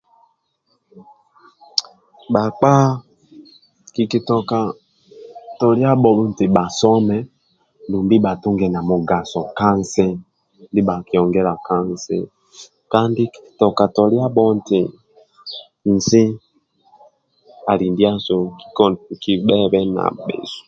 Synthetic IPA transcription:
ɓa˨k͡pa˦ | ki˨ki˨tɔ˨ka˨ | tɔ˨lja˦ɓɔ˨lu˦n̩˨ti˨ɓa˨sɔ˦mɛ˦ | ndu˨mbi˦ɓa˨tu˦ŋɡɛ˨na˨mu˨ɡa˨sɔ˨ka˦n˨sɛ˦ | n˦di˦ɓa˨ki˨ɔ˨ŋɡɛ˦la˨ka˦n˨sɛ̰˦ | ka˦ndi˦ki̥˨i̥˨tɔ˨ka˨tɔ˨lja˦ɓɔ˦n̩˨ti˨ | n̩˨si˦ | a˨li˨ndi˦a˦su˨ki˨ɓɛ˦βɛ˦na̰˨ɓɛ̰˨su̥˨

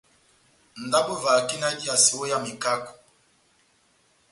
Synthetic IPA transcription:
n̩˨da˦bu˦va˨ki˦na˦di˦a˨si˨wo˦ja˦mi˨ka˦kɔ̥˨

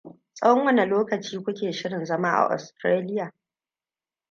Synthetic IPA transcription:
sʼɐ˦wɔ˦ŋwɐ˦ne˨loː˦kɐ˨t͡ʃiː˦kʷʊ˦kʲeː˨ʃɪ˦ɽɪ˨nzɐ˦ma˦ʔa̰˨ʔɔ̰˨stɾeː˦lɪ˦jaː˨

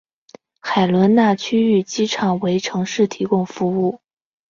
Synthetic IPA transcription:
xa˨˩ɪlwə˧˥nna˥˩t͡ɕʰy˥y˥˩t͡ɕi˥ʈ͡ʂʰɑ˨˩ŋwe˧˥ɪʈ͡ʂʰɤ˧˥ŋʂɻ̩˥˩t̪ʰi˧˥kʊ˥˩ŋfu˧˥u˥˩

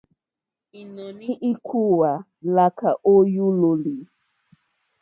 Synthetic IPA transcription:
i˨nɔ˨ni˦ʔi˦kʰu˦wa˨ | la˦ka˨ʔo˦ju˦lo˨li˨

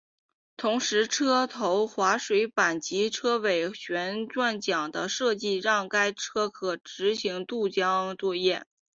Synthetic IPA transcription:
t̪ʰʊ˧˥ŋʂɻ̩˧˥ʈ͡ʂʰɤ˥t̪ʰo˧˥ʊxwa˧˥ʂwe˧˥ɪpa˨˩nt͡ɕi˧˥ʈ͡ʂʰɤ˥we˨˩ɪɕɥɛ˧˥nʈ͡ʂwa˥˩nt͡ɕjɑ˨˩ŋd̪ə̰˦ʂɤ˥˧t͡ɕi˥˧ɻɑ˥˩ŋka˥ɪʈ͡ʂʰɤ˥kʰɤ˨˩ʈ͡ʂɻ̩˧˥ɕi˧˥ŋt̪u˥˩t͡ɕjɑ˥ŋt͡swɔ˥˧jɛ˥˩

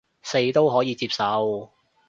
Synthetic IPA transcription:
se˧jt̪o˥wɦɔː˨˥jiː˨˧t͡siː˧p̚sɐ˨˧w

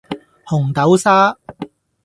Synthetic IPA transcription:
hʊ˨˩ŋt̪ɐ˨˥wsaː˥

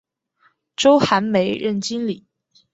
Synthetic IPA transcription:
ʈ͡ʂo˥ʊxa˧˥nme˧˥ɪɻə˥˩nt͡ɕi˥nli˨˩˦

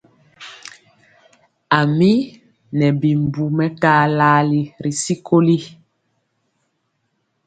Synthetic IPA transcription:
a˨mi˦ | nɛ˨bi˨m˨bu˨mɛ˦kaː˦laː˦li˦ɾi˨si˦ko˦li˦

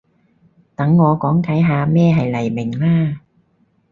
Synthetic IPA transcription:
t̪ɐ˨˥ŋːɔː˨˧kɔː˨˥ŋkʰɐ˨˥jɦaː˨˧mɛː˥˩ɦɐ˨jlɐ˨˩jmɪ˨˩ŋlaː˥˩

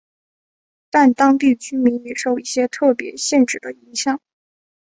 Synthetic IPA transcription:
t̪a˥˩nt̪ɑ˥ŋp̪i˥˩t͡ɕy˥mi˧˥njɛ˨˩ʂo˥˧ʊi˥˩ɕjɛ˥t̪ʰɤ˥˩pjɛ̰˧˥ɕjɛ˥˩nʈ͡ʂɻ̩˨˩d̪ə˦i˧˥ŋɕjɑ˨˩˦ŋ

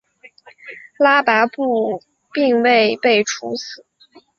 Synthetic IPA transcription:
la˥pa˧˥ɪpu˥˧ | pi˥˧ŋwe˥˧ɪpe˥˩ɪʈ͡ʂʰu˧˥sɹ̩˨˩˦

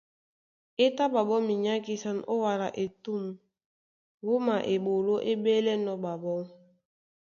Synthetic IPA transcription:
e˦ta˦ba˨bɔ˦mi˨ɲa˦ki˦sa˦no˦wa˨ɾa˨ʔe˨tu˦˨m | wo˦ma˨ʔe˨bo˨lo˦ʔe˦be˦lɛ˦nɔ˦ba˨bɔ˦ŋ

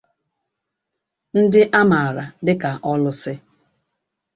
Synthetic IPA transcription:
n̩˦dɪ˦ʔa˦ma˨a˨ɾa˨dɪ˦ka˨ʔɔ˦lʊ˦sɪ˦

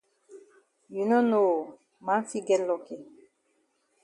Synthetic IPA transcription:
ju˨no˦no˦˨ | mã˦fi˦ɡɛ˦lɔ˨ke˨

